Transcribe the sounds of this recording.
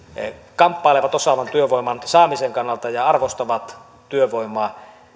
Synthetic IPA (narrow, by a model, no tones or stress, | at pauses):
kɑmpːɑˑeleʋɑt̪osɑʋɑnt̪yøʋoˑimˑɑnsɑːmiseŋkɑnːɑlt̪ɑjɑɑrʋost̪ɑʋɑt̪ | t̪yøʋoˑimˑɑ